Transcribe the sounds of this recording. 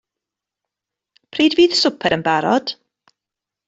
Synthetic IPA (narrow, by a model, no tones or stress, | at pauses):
pʰriːdviːð̥sʊpʰɛɾənbaɾɔd̥